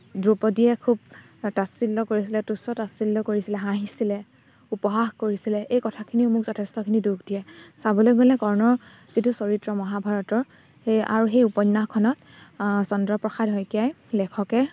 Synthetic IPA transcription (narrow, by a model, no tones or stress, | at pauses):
dɹupɔdijɛkʰub̚ | tasilːɔkoɹis̬ilɛtusɔtasilːɔkoɹisilɛɦãɦisilɛ | upɔɦaxkoɹisilɛʔejkɔtʰakʰiniʊmʊkzɔtʰɛstɔkʰiniduɡdijɛsabɔlojɡolɛkɔɹnɔɹ | z̥itusoɹitɹɔmɔɦabʱaɹɔtɔɹ | a̰ɹuxejupɔnːaxkʰɔnɔt | sɔndɹɔpɹɔxʰadɦɔjkijaj | lɛkʰɔkɛ